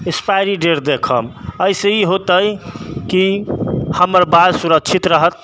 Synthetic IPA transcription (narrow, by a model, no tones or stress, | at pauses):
espajɾiɖeɾd̪ekʰəməiseiɦot̪əjkihəməɾbad̪suɾəkt͡ʃʰit̪ɾəɦət̪̚